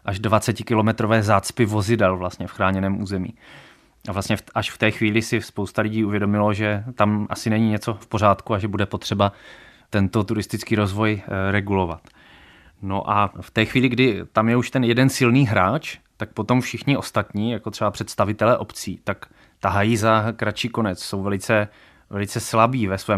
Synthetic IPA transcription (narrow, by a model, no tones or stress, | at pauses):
ʔaʒdvat͡sɛcɪkɪlo̞mɛt̪ɾo̞vɛːzaːt͡spɪvo̞zɪdɛlvlast̪ɲɛfxɾaːɲɛnɛːmʔuːzɛmḭː | ʔavlast̪ɲɛfʔaʃft̪ɛːxviːlɪsɪspo̞wst̪alɪɟiːuvjɛdo̞mɪlo̞ʒɛt̪amʔasɪnɛɲiɲɛt͡so̞fpo̞r̝aːt̪kuaʒɛbudɛpo̞t̪r̝̥ɛbat̪ɛnt̪o̞t̪uɾɪst̪ɪt͡skiːɾo̞zvo̞jɾɛɡulo̞vat̪ | no̰ʔaft̪ɛːxviːlɪɡdɪt̪amjɛuʃt̪ɛnjɛdɛnsɪlniːɦɾaːt͡ʃt̪ak̚pot̪o̞mfʃɪxɲɪʔo̞st̪at̪ɲiːjakot̪r̥ɛbapr̝̥ɛt̪st̪avɪt̪ɛlɛːʔo̞pt͡siːt̪ak | t̪aɦajiːzakɾat͡ʃiːko̞nɛt͡sso̞wvɛlɪt͡sɛ | vɛlɪt͡sɛslabiːvɛsvɛː